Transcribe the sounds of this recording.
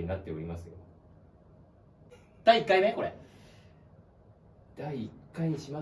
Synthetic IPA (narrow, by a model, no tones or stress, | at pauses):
ɲ̟inat̪ːe̞oɾʲimasɨjo | d̪̥aiːkːaime̞ko̞ɾḛ | d̪̥aiːkːaiɲiɕima